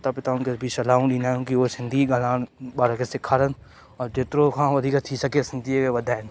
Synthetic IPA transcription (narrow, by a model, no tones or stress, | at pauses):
t̪apɪt̪aːũkebʱit͡ʃɐlaːũlinaːũkiʋoːsɪnd̪ʱiːɡɐlaːnbaːɾakesɪkʰːaːɾən | ɔːɾd͡ʒeːt̪ɾokʰãːʋɐd̪ʱiːkat̪ʰiːsɐkesɪnd̪iekeʋɐd̪ʱaːn